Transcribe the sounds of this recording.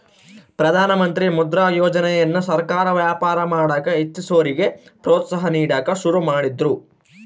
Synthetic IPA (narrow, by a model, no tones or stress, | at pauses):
pɾɐd̪ʱaːnɐmɐnt̪ɾimud̪ɾaːjoːd͡ʒɐnɛjɐnːusɐɾkaːɾɐʋjaːpaːɾɐmaːɽaːkɐit͡ʃːisoːɾiɡe̞pɾoːt̪sɐɦɐniːɽaːkɐʃuɾumaːɽid̪ɾu